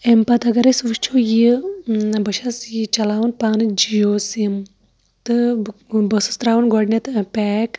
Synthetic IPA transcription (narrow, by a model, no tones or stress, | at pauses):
empɐt̪ɐɡɐɾɐsʋɨʃt͡ʃʰoji | bɐʃɐsjit͡ʃɐlaːʋunpaːnɨd͡ʒijoːsim | t̪ɨbɐsɨst̪ɾaːʋunɡoɽnʲɐt̪pɛːk